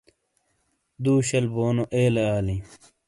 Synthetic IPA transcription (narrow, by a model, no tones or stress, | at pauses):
d̪uːɕɐlboːnoʔeːleaːlĩ